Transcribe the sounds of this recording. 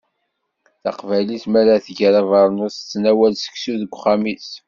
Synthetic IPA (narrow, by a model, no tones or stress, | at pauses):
θɑ̰qvæliθmæɾæθʝɾævɑɾˤnosə̥t͡sːnæwælsə̥ksuðəɡʷχæmis